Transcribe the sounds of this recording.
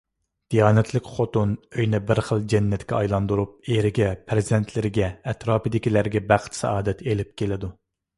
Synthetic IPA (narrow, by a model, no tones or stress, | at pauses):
d̪̥ijɑːnɛt̪ʰlɪkʲχot̪unøjnɛbɪɾχəlˠd͡ʒɛnːɛt̪kʲʰɛɑjlˠɑnd̪uɾup̚eɾɪɡʲɛpʰɾɪzɪd̪ɛnt̪ʰlɪɾɪɡʲɛːt̪ɾɑːpɨd̪ɪkʲilæɾɡʲɛbæχt̪sɛ̰ɑːd̪ɛt̪ʰelɪp̚kʲelɪd̪u